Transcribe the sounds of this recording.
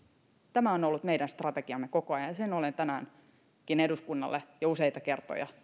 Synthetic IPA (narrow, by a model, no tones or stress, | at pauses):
t̪æmæonolːut̪meidænst̪rɑt̪eɡ̥iɑmːekokoɑjɑnjɑsenolent̪ænæːn | kineduskunːɑ̰lːejɑusejt̪ɑke̞rt̪o̰jɑ̰